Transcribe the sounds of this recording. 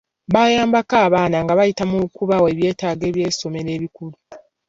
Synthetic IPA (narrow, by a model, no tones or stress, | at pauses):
βajaːmbakaːβaːnaŋɡaβajitamukuβawe̞ːβje̞ːtaːɡe̞ːβje̞ːso̞me̞ɾe̞ːβikulu